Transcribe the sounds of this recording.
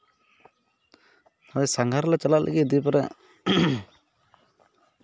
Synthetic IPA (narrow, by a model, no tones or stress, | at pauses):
ad̪ɛsaŋɡʱaɾlat͡ʃalaʔlʔa̰ɡid̪ipɛɾɛ